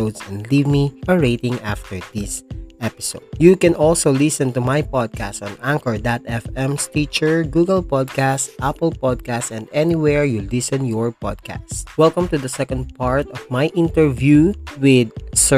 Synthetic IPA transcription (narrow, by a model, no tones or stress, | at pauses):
owd̪sɛ̃nd̪livmiɔɹeɪt̪ɪ̃ŋʔa̰ft̪ɛɹd̪ɪsʔɛpɪsoʊd̪̚jukɛ̃nʔɔlsowlɪsɛ̃nt̪umajpɔd̪̚kast̪ɔ̃nʔãŋkəɹd̪at̪ɛfɛ̃mst̪it͡ʃɛɹɡuɡɐlpɔd̪̚kast̪ʔapəlpɔd̪̚kastɛ̃nd̪ɛniwɛɹjulɪsɔ̃njɔɹpɔ̰d̪̚ka̰swɛlkɐ̃mt̪ud̪ɐsɛkɔ̃nd̪̚paɹt̪ɔvmajʔɪ̃nt̪ɛɹvjuwɪd̪sɛ